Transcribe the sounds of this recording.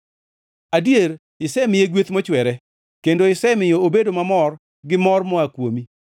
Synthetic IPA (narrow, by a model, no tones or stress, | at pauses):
adjeɾ | ɪsɛmɪjeɡwet̪mɔt͡ʃwɛɾɛ | kendoɪsɛmɪjoobedomamɔr | ɡɪmɔrmɔakwomi